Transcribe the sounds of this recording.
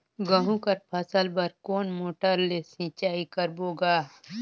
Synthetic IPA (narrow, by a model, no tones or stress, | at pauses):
ɡəɦũkɐɾpʰɐsəlbəɾkoːnmoːʈəɾlesĩːt͡ʃaːikəɾboːɡaː